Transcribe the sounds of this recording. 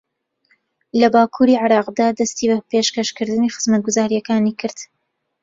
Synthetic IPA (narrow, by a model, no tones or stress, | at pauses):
lɐbaːkʰuːɾiʕɪɾɑːqd̪aːd̪ɐst̪iːbɐpeʃkɐʃkɨɾd̪ɨniːxɨz̥mɐt̪̚ɡʊzaːɾijɐkaːniːkʰɨɾd̪̥